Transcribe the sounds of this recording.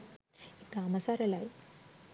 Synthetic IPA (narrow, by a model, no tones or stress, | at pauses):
it̪aːmɐsaɾɐlaj